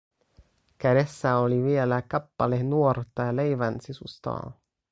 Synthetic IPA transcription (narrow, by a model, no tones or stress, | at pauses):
kæɾesːæoliʋielækɑpːɑlenuort̪ːɑle̞jʋænsisust̪ɑ̰ː